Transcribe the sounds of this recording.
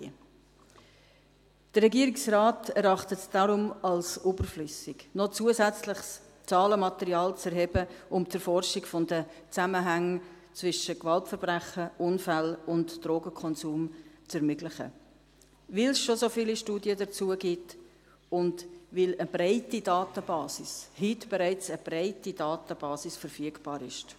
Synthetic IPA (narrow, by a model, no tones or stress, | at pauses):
d̥əɾːɛɡiəɾiksrɑːtʰɛɾɑχtətd̥ɑɾʊmɑlsubəɾflʏsɪɡnɔt͡suəzæt͡slɪχs | t͡sɑːləmɑtɛɾiɑːlt͡sɛɾɦɛbəʔʊmt͡səɾfɔɾʃikfɔndət͡saməɦæŋ | t͡svɪʃəkvɑltfəɾb̥ʁæχəʔʊnfælʊntd̥roːɡəkʰɔnzuːmt͡sɛɾmʏɡlɪχə̰ | vɪlsʃosofiːliʃtuːdiədət͡suəɡɪt | ʊndvɪləb̥raɪtidɑːtəbɑːsɪshitb̥ɛɾæɪt͡səb̥raɪtidɑːtəb̥ɑːsɪsfəɾfyəɡb̥ɑːɾɪʃt